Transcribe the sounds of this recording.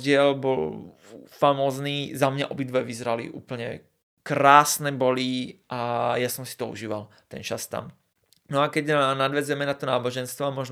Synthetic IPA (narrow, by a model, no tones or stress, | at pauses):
ɟɪɛlbɔl | famɔːzniːzamɲa̰ʔɔbid̪ʋɛʋizɾalḭʔṵːpl̩ɲɛ̰ | kɾaːsnɛbɔliʔajasɔmsi̥t̪ɔṵʒiːʋal | t̪ɛ̰nt͡ʃast̪a̰m | nɔakɛɟnad̪ʋɛzʊjɛmɛnat̪ɔnaːbɔʒɛnst̪ʋɔamɔʒn